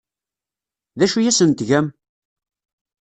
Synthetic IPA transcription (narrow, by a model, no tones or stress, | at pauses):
ðæʃujæsənt̪ʝæm